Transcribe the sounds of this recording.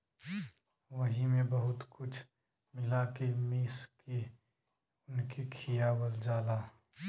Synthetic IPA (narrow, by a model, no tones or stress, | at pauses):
ʋəɦimẽbɐɦʊt̪kʊt͡ʃʰ | mɪlakemiːske | ʊnkekʰijabəld͡ʒaːlaː